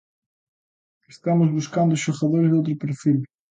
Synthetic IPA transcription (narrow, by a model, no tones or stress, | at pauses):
est̪amʊzβuskãnd̪ʊʃoxɐðoɾzd̪ɪowt̪̬ɾʊpeɾfil